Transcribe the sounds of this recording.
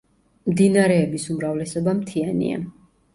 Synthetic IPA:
md̪inaɾɛːbisumɾavlɛsɔbamt̪ʰianḭa̰

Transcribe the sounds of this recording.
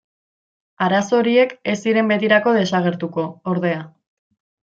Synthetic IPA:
aɾaso̞ɾie̞ke̞siɾe̞mbe̞t̪iɾako̞ð̞e̞saɣ̞e̞ɾt̪uko̞ːɾðe̞a

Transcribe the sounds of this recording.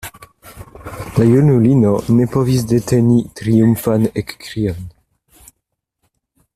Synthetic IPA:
lajunulinonepovis̬det̪enit̪ɾiumfanekːkɾian

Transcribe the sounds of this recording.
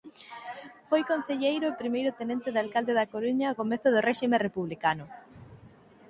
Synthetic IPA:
fojkon̟θeʎejɾʊepɾimejɾʊt̪enẽnt̪ɪðalkald̪eðɐkoɾuɲaokomeθʊðʊrɛʃimẽrepuβlikanʊ

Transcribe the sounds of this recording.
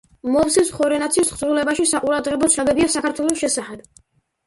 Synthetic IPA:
mɔpsisχɔɾɛnat̪sʰiisχzɾulɛbaʃisaqʼuɾad̪ʁɛbɔt̪sʰnɔbɛbiasakʰaɾt̪ʰwɛlˠɔsʃɛsaχɛb̥̚

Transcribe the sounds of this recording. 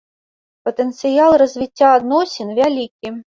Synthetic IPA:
pət̪ɛnt̪sɨjalˠrɐzʲvʲit͡sʲːaːd̪nɔsʲɪnvʲalʲikʲi

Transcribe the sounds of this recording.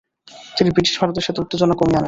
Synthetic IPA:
t̪inibʱɾiʈi̥ʃbʱaɾot̪̬eʃet̪uʈ̪ːid͡ʑonːokomiane

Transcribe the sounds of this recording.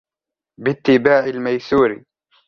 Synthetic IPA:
bɪt̪ːɪbaːʕɪlmajsuːɾ

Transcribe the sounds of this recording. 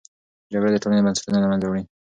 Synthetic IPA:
d͡ʒaɡɽad̪ət̪oninobansḁt̪unanamand̪awɽi

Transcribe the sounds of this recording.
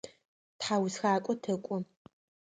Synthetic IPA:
tħaːwsxaːkʷʼɔtʰɐkʷʼʊ

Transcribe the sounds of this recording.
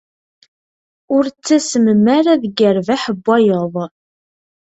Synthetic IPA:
ʊɾt͡sːæsəməmaɾaðɡəɾvaħəbːæjəðˤ

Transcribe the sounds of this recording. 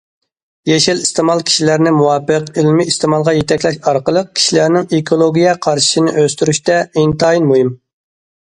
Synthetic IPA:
jeʃilist̪ɪmɑlˠkʲʰi̥ʃilæɾnɪmuwɑːpɨqilmɪist̪ɨmɑlˠʁɑjet̪ʰɛkʲlɛʃɑɾqəlˠəq̚kʲʰi̥ʃilæɾnɪŋekʰolˠoɡʲijɛqʰɑɾʃi̥ʃɪnɪʔøst̪yɾyʃt̪ɛint̪ʰɑːjinmuɦim

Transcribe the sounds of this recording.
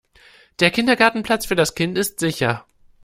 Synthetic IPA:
d̥eːɐkʰɪndɐɡaɐtn̩pʰl̥at͡sfyːɐɾaskʰɪntɪstz̥ɪçɐ

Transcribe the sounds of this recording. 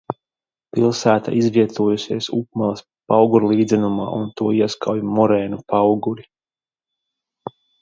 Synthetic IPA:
pilˠsæːt̪a̰ʔizviɛt̪uɔjusiɛsup̚malˠas | pawɡuɾlˠiːd̪zʲɛnuma̰ːʔunt̪uɔiɛskawjmɔɾɛːnupawɡuɾi

